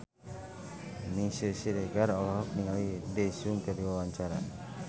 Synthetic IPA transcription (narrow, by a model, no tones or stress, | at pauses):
misəsiɾeɡaɾɔlɔɦɔk̚niŋalidesuŋt̪əɾiwawaɲt͡ʃaɾa̰